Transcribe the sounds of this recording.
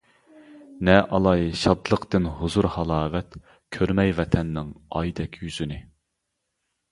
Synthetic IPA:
nɛʔɑlˠɑjʃɑd̪lˠəqt̪ɪnhʊzuɾhɑlˠɑːvɛt̪ | kʲʰøɾmɛjvɛt̪ʰɛnːɪŋɑ̰jd̪ɛkʲʰjyzynɪ

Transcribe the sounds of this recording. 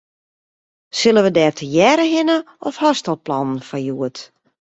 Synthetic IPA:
sɪlˠəʋədɛːtʰəjɛːɾəɦɪnə | ɔfhɔstɔl̚ˠplɔnən̩fajuət

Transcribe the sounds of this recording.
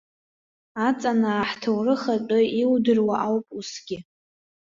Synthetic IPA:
at͡sʼanaːħtʰawrɨχat͡pʼʊiwdɨrwaʔawpʼusɡʲɪ

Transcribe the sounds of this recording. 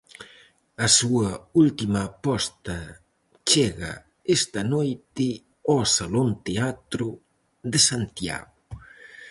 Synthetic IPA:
ɐsuɐult̪imɐːpɔst̪ɐ | t͡ʃeɣa̰ | est̪ɐnojt̪ɪ | ɔsalont̪eat̪ɾu | ðesant̪ja̰ɣʊ

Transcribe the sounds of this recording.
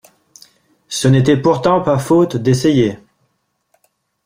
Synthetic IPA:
sənet̪ɛpuʁt̪ɑ̃pafot̪d̪eseje

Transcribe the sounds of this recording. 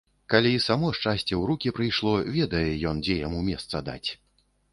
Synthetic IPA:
kalʲiisamɔʂt͡ʂasʲt͡sʲɛwɾukʲipɾɨjʂlˠɔvʲɛd̪ɐjɛjɔnd͡zʲɛjamumʲɛst̪sɐd̪a̰t͡sʲ

